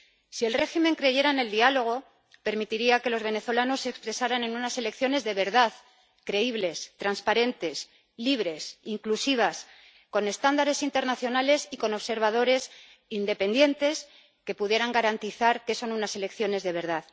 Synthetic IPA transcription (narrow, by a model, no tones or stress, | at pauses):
sie̞lre̞ximẽ̞ŋkɾe̞ʝe̞ɾaene̞ld̪ialo̞ɣ̞o̞ | pe̞ɾmit̪iɾiake̞lo̞zβe̞ne̞θo̞lano̞sːekspɾe̞saɾanẽ̞nunase̞le̞kθjo̞ne̞zðe̞βe̞ɾðað | kɾe̞iβle̞st̪ɾanspaɾe̞nt̪e̞s | liβ̞ɾe̞siŋklusiβ̞as | ko̞ne̞st̪and̪aɾe̞sint̪e̞ɾnaθjo̞nale̞siko̞no̞βse̞ɾβ̞að̞o̞ɾe̞s | ind̪e̞pe̞nd̪je̞nt̪e̞s | ke̞puðje̞ɾaŋɡaɾant̪iθaɾke̞so̞nunase̞le̞kθjo̞ne̞zðe̞β̞e̞ɾð̞að